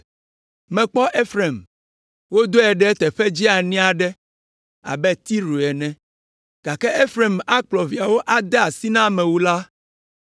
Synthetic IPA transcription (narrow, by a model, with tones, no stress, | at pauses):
mɛ̃˨k͡pɔ˦ʔe˦fɾe˨m | wo˦d̪o˦ɛ˨ɖɛ˦t̪ɛ˨ɸɛ˦d͡ʑi˦a˨nĩ˦a˨ɖɛ˦ | a̰˨bɛ˦t̪i˦ɾu˨ɛ˨nɛ̃˨ | ɡ̥a˨kɛ˦ʔe˦fɾe˨ma˦k͡plɔ˨vi˨a˨wo˦ʔa˦d̪ɛ˦a˨si˦nã˦mɛ̃˨wu˦la˦